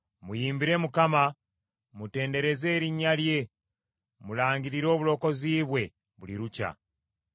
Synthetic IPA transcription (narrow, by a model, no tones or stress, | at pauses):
mujiːmbiɾe̞mukama | mute̞ːnde̞ɾe̞ze̞ːɾiɲalje̞ | mulaːɲɡiɾiɾo̞ːβulo̞ːko̞ziːβwe̞ | βuliɾuca̰